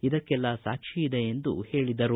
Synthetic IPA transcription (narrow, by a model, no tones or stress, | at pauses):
id̪ɐkkːɛlːɐsaːkʂiːd̪eend̪uhe̞ːɭid̪ɐɾu